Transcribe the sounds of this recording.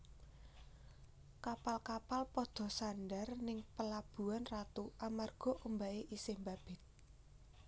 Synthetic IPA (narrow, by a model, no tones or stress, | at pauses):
kapalkapalpɔd̪̥ɔ̤sanɖarnɪŋpəlab̥ṳanrat̪uʔamarɡ̥ɔ̤ʔumbaʔeʔisɪhmbab̥ɪ̤t̪̚